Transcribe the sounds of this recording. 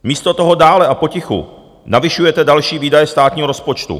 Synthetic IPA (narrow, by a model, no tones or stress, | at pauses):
miːst̪o̞t̪oɦo̞daːlɛʔapo̞cɪxṵ | navɪʃujɛt̪ɛdalʃiːviːdajɛst̪aːt̪ɲiːɦoɾospo̞t͡ʃt̪ṵ